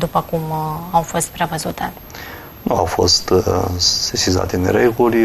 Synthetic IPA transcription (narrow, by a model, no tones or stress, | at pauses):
d̪upəkumawfost̪̚pɾevəzut̪a | nuawfo̞̰st̪ | sesiza̰t̪eɨnɾeɡulʲ